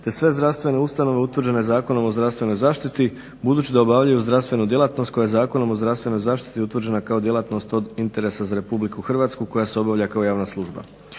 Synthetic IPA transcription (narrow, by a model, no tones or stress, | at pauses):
t̪e̞sʋe̞zd̪ɾafst̪vʋe̞ne̞ust̪ano̞ʋeut̪ʋr̩d͡ʑe̞ne̞zaːko̞no̞mozd̪ɾafst̪ʋe̞no̞jzaːʃt̪it̪i | bud̪uːt͡ɕid̪aobaʋʎajuzd̪ɾast̪ʋe̞nud̪je̞lat̪nost̪̚kojajzaːko̞no̞mo̞zd̪ɾast̪ʋe̞no̞jzaːʃt̪i̥t̪iut̪ʋɾrd͡ʑd͡ʒe̞nakao̞d̪je̞lˠat̪no̞st̪o̞d̪int̪e̞ɾe̞sazaɾe̞publikuxr̩ʋat̪skuko̞jaseo̞baʋʎʲakao̞jaːʋnaslˠuʒba̰